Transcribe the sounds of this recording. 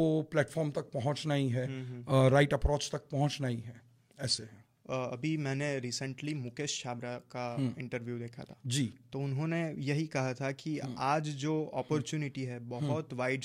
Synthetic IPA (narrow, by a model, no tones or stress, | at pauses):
oplɛːʈfɔːɾmt̪ɐk̚pɐɦʊ̃t͡ʃnaiɦɛɦɾaːɪʈɐpɾoːt͡ʃt̪ɐk̚pɐɦʊ̃t͡ʃnaiɦɛ̃ː | ɛːseɦɛ̃ | ɐbʱimɛ̃ːneɾiːsə̃ɳʈlimʊkeʃːaːbɾakaɪ̃ɳʈəɾʋjud̪eːkʰa̰t̪ʰaːd͡ʒiːt̪oʊnɦõnejɐɦikɐɦat̪ʰakiaːd͡ʒd͡ʒoːɔːpɔɾt͡ʃuːnɪʈiɦɛbɐɦɔt̪ʋaːɪɖ